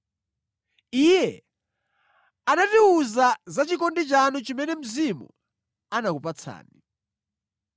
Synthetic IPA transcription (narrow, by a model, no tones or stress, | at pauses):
ijɛ | anatiuzazat͡ʃikɔndit͡ʃanɔt͡ʃimɛnɛm̩zimṵ | anakupat͡sʰa̰ːni